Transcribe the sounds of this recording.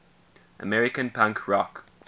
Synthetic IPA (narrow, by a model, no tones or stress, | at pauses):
ʔə̰mɛɹɪkə̃npʰãŋkʰɹɔk